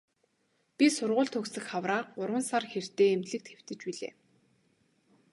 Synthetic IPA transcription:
pʲisʊrʁʊːɮt̪ʰɵksɘ̆xχawraːq̚ɢʊɾwə̆nsarxer̥t̪eːemt̪ɮɘ̆k̚t̪xew̥t̪ɘ̆t͡ɕpiɮḛː

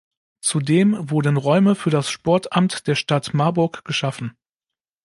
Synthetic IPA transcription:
t͡sudeːmvʊɐdənʁɔʏməfyːɐdasʃpɔɐtʔamtd̥eːɐʃtatmaɐbʊɐkɡ̥əʃafn̩

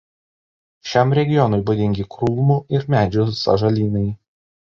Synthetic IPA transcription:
ʃʲɛˑmɾʲɛɡʲɪjɔnʊɪbʊd̪ʲɪŋʲɡʲɪkɾuːmuːʔɪɾmʲæːd͡ʒʲʊsɐ̰ʒɐlʲiːnɐɪ

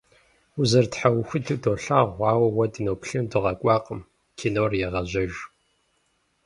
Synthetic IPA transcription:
ʊzɐrtħawxʷʊdɨdoːɬaːʁʷɑːwɐwɐdinoːpɬɨmdɨʁɐkʷʼɑːqəm | kʰinoːrjɛʁɐʑɐʒ

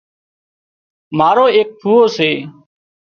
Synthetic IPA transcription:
maːɾoːeːk̚tʰuːoːseː

